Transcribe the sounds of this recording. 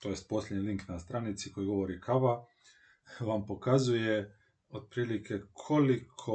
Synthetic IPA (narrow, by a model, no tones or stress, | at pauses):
t̪oje̞st̪̚po̞slʲjʲeɲiliŋknast̪ɾanit̪siko̞jiɡo̞ʋo̞ɾikʰaʋa | ʋampo̞kazuje | od̪̚pɾiːlikʰe̞kʰo̞likʰo